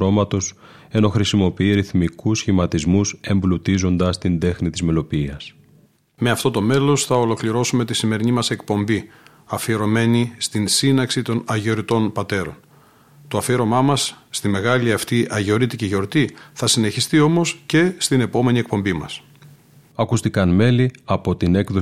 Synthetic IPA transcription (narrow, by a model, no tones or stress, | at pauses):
o̞mɐt̪o̞s | e̞no̞xɾisimo̞piiɾiθmikusçimɐt̪izmuse̞mblut̪izo̞nd̪ɐst̪ind̪e̞xnit̪izme̞lo̞piiɐs | me̞ɐft̪ot̪o̞me̞lo̞sθɐolo̞kliɾo̞sume̞t̪isime̞ɾinimɐse̞k̚po̞mbi | ɐfieɾo̞me̞nist̪insinɐksit̪o̞nɐʝeo̞ɾit̪o̞npɐt̪e̞ɾo̞̰n | t̪oɐfieɾo̞mɐmɐsːt̪ime̞ɣɐliɐft̪iʔɐʝeo̞ɾit̪iceʝo̞ɾt̪iθɐsine̞çist̪io̞mo̞sce̞st̪ine̞po̞me̞nie̞k̚po̞mbimɐ̰s | ɐkust̪ikɐnme̞liɐpo̞t̪ine̞kðo